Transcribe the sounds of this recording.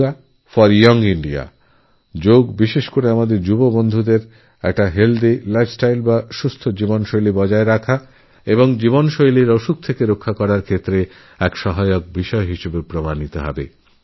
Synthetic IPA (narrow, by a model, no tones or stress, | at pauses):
a | fɔɾjɔŋɡiɳɖia̰ | d͡ʑoɡbiʃeʃkoɾeamad̪eɾd͡ʑubobond̪ʱud̪eɾ | ɛ̰k̚ʈaɦeld̪ilabsʈajlbaʃust̪ʰod͡ʑibonʃojlibɔd͡ʑaeɾakʰa | eboŋd͡ʑibonʃojliɾoʃuk̚t̪ʰekeɾokʰːakɔɾaɾkʰet̪ːɾe | ɛkʃɔɦajok̚biʃɔeɦiʃebepɾomanit̪oɦɔ̰be